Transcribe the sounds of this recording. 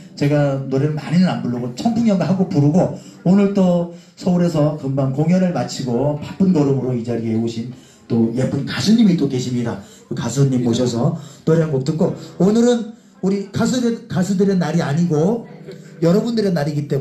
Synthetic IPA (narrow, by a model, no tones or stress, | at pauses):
t͡ɕe̞ɡanoɾeɾɯɭmaɲinɯnanbuɭːoɡot͡ɕʰʌŋpʰuŋɲjʌŋɡaɦaɡopuɾuɡo | onɯɭt͈o | sʰʌuɾe̞sʰʌkɯmbankoŋjʌnɯɭmat͡ɕʰiɡopap͈ɯnɡʌɾomɯɾoid͡ʑaɾieoɕʰin | t͈ojep͈ɯnkasʰuɲimit͈oke̞ɕʰimɲida | kɯkasʰuɲːimːoɕʰʌsʰʌnoɾeɦanɡok̚t͈ɯk͈oonɯɾɯn | uɾikasʰudekasʰɯdɯɾe̞naɾiaɲiɡo | jʌɾʌbundɯɾe̞nːaɾiɡit͈e̞